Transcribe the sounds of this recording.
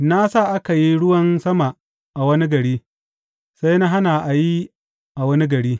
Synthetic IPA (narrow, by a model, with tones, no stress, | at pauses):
na˦saː˦˨ʔa˦ka˨ji˦ɽʊ˦wɐ˦nsɐ˦ma˨ | ʔa˨wɐ˦ni˦ɡɐ˨ɽiː˦ | sa˦jna˦ɦa˦na˨ʔa˨ji˦ | ʔa˨wɐ˦ni˦ɡɐ˨ɽiː˦